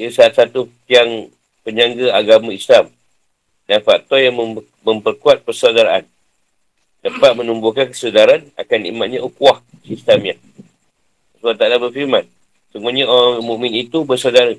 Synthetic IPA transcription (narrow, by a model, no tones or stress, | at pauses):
əsaat̪̚sat̪utiaŋ | pəɲãŋɡəaɡamãislam | danfak̚t̪ɔjaŋmə | məmpərkuat̪̚pərsawdaɾaʔa̰n | səpat̪̚mənumbukankə̥sədaɾana̰kanḭmat̪̚ɲaʔukuah | sist̪amja | suat̪adabərfiɾmãn | səmuaɲaoaŋmũʔmĩnit̪ubəsawdaɾə